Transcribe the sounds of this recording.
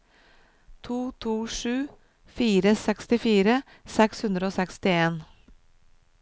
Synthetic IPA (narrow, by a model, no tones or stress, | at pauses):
t̪ʰuːt̪ʰuːʃʉː | fiːɾəsɛkst̪ɪfiːɾə | sɛkshʉnd̪ɾəoːsɛkst̪ɪeːn